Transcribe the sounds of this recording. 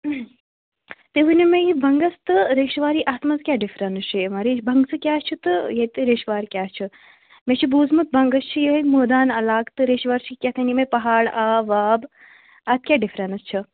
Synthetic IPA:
t̪eɦunimẽjibʱɐŋɡɐst̪ɨɾeːʃʋaːɾiːʔaːt̪mɐzkʲjaːɖifʰɾɐnʃʰimɐɾibʱɐŋɡsɨkʲjaːst͡ʃʰit̪ɨjet̪ɨɾeːʃʋaːɾkʲaːst͡ʃʰi | met͡ʃʰibuːzmɐt̪̚bɐŋɡɐst͡ʃʰijeɦɐmoːd̪aːnɐlaːɡt̪ɨɾeːʃʋaːɾt͡ʃʰikʲat̪ʰɐnimepɐɦaːɽaːʋaːb | ɐt̪̚ʰkʲjaːɖifɾɐnɐst͡ʃʰi

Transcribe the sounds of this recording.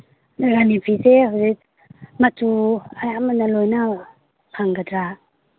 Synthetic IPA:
naɡanipʰisehawze | matuajamanalojna | pʰaŋɡadɾa

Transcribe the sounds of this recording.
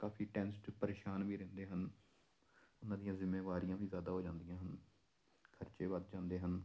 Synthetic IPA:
kaːpʰiːʈɛːnsd͡ʒpəɾeːʃaːnbiːɾɛ̃ːnd̪eːɦən | ʊnãːd̪ɪijãːzɪmːeːʋaːɾijãːʋiːzjaːd̪aːɦoːd͡ʒãːnd̪ɪjãːɦən | kʰəɾt͡ʃeːʋəd̪̚d͡ʒãːnd̪eːɦən

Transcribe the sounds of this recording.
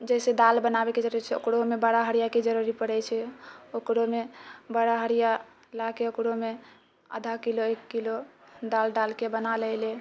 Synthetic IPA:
d͡ʒɛsed̪albənabeked͡ʒəɾuɾit͡ʃʰɛo̰kɽomebaɽaɦəɽijaked͡ʒəɾuɾipəɽɛt͡ʃʰɛokɽomebaɽaɦəɾija | lakeokɽome | ə̰d̪ʱakiloekːilod̪alɖalkebənaləɪle

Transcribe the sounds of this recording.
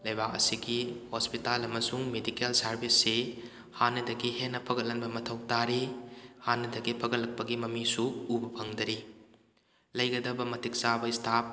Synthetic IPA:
lɐjbak̚ɐ̰siɡihospitalɐmɐsuŋmedikelsɐɾbʱisːe | hanːɐdɐɡihenːɐpʰɐɡɐt̚lːɐnbɐmɐtʰɐwtaɾihanːɐdɐɡipʰɐɡɐlːɐk̚pɐɡimɐmisuubɐpʰɐŋdɐɾi | lɐjɡɐdɐbɐmɐtʰik̚sabɐistʰap̚

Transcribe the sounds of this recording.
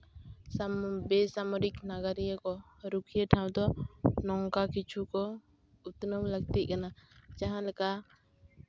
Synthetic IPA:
bɛsamɔɾiknaɡaɾijakɔ | ɾukʰijəʈʰaw̃d̪ɔnɔŋkakit͡ʃʰukɔ | ut̪nəwlək̚t̪it̪̚kanad͡ʒaɦãlɛkaʔ

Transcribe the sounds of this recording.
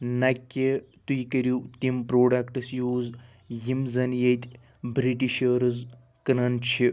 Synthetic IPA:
nɐkʲːet̪ujkɐɾjut̪ʲimpɾoːɖɐkʈɨsjuːz | jimzɐnjet̪ʲʰ | bɾiʈiʃɐɾɨz | kɐnɐnt͡ʃʰi

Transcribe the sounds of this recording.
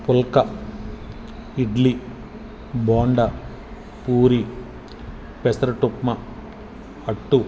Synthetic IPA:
pɔlkɐ | iɖli | baːɳɖɐ | puːɾi | pesɐɾɐʈupmɐ | ɐʈːu

